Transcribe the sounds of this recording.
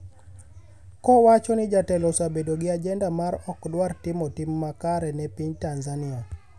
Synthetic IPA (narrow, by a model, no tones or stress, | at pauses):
kɔwat͡ʃɔnɪd͡ʒatɛlɔsabedoɡɪad͡ʒɛndamaɾɔkdwartɪmɔtɪmːakaɾɛnɛpiɲtanzania